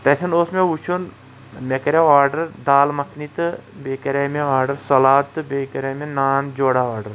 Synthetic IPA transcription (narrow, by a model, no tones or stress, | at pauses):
t̪ɐt̪ʰɐnoːsmeut͡ʃʰun | mekɐɾeaːɾɖɐɾd̪aːlmɐkʰnit̪ɨbeːkɐɾemeaːɾɖɐɾsɐlaːt̪ɨbeːkɐɾemenaːnd͡ʒoːɽaaːɾɖɐɾ